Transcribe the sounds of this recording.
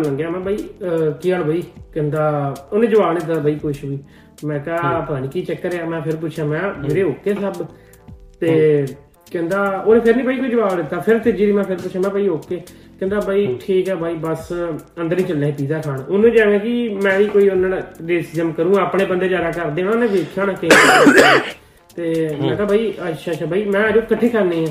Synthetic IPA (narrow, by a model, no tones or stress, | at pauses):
lə̃ːɡjaːmɛ̃ːbʱaːiːkiːaːlbʱaːiːkɛ̃ːnd̪aːoːnẽːd͡ʒəbaːʋnd̪ɪt̪̬ːabaːiːkʊʃɦoiː | mɛ̃ːkaːpəaːñiːkiːt͡ʃəkːəɾeaːmɛ̃ːpʰɪɾp̬ʊʃʰjaːmɛ̃ːeɾeːoːkːeːsəb | t̪eː | kɛ̃ːnd̪aːoːnẽːpʰɪɾnĩːpaiːkoːiːd͡ʒəbaːʋnɪt̪ːaːpʰɪɾt̪ɪd͡ʒiːɾiːmɛ̃ːpʰɪɾpʊːʃʰãːmɛ̃ːbaːioːkːeː | kɛ̃ːnd̪aːbaːiːʈʰiːkɛːbʱaːiːbəsə̃nd̪əɾnĩːt͡ʃəlːaːeːpiːzaːkʰaːɳʊnːẽːd͡ʒãːŋãːkɪmɛ̃ːiːkoːiːonaɽɾeːsɪzəmkəɾũːaːpɽeːbənd̪eːd͡ʒaːɾaːkəɾd̪ẽːãoːnẽːʋeːkʰaːnaːkɪ | t̪eːmɛ̃ːt̪aːbʱaːiːəʃʰaːʃaːbʱaːiːmɛ̃ːd͡ʒoːkəʈʰːeːkʰəɾnẽːãː